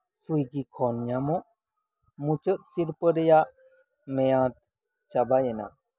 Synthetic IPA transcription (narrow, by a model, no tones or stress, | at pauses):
sujɡikʰɔnjamɔ | mut͡ʃət̪̚siɾpəɾeja | mejãːt̪̚ | t͡ʃabajena̰